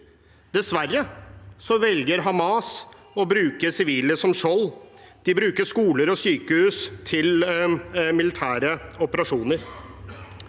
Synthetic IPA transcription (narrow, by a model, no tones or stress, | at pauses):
d̪̥ɛsʋærːəsɔʋɛlɡəɾɦɑmɑs | ɔbɾʉːkəsɪʋiːləsɔmʂɔld̪̥ɪbɾʉːkəʂkuːləɾɔsyːkəhʉːst̪ʰɪl | mɪlɪt̪ʰæːɾəɔpəɾɑʂuːnəɾ